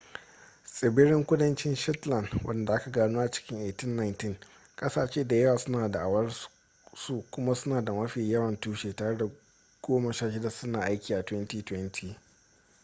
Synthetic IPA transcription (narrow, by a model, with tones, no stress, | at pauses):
sʼɪ˨bɪ˦ɾɪ˦ŋkʷʊ˦dɐ˦nt͡ʃɪ˦nʃɔ˦tlɐ˨ndwʔɐ̰˦nda˨ʔa˦ka˨ɡaː˦nuː˦ʔa˨t͡ʃɪ̥˦kʲɪ˦ŋʔeː˨tɪ˦nːa˨˦jntɪ˦ŋ | kʼɐ˦saː˨t͡ʃeː˦da˨jɐ˦waː˨sʊ˦naː˨da˨ʔa˨wɐ˦r | su˦kʷʊ˦ma˦sʊ˦naː˨da˨mɐ˦ɸiː˨jɐ˦wɐ˨ntuː˦ʃeː˨taː˨ɽe˦da˨ | ɡ̥oː˦mɐ˨ʃaː˦˨ʃɪ˦da˨sʊ˦naː˨ʔa˦jkʲiː˨ʔa˨twɛ˦ntiː˨twɛ˦ntʰiː˨